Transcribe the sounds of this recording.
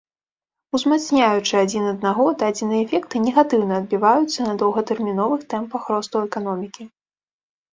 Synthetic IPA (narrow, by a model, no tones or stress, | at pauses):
uzmat̪snʲajut͡ʂɨad͡zʲinɐd̪naɣɔd̪ɐad͡zʲinɨɛfʲɛkt̪ɨnʲɛɣat̪ɨwnɐːd̪̚bʲivajut̪sːɐnɐd̪ɐwɣɐt̪ɛrmʲinɔvɨxt̪ɛmpɐxɾɔst̪ɐwɛkanɔmʲikʲi